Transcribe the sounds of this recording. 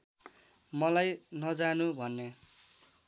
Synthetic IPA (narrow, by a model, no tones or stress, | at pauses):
mʌlajnʌd͡zanubʱʌnːe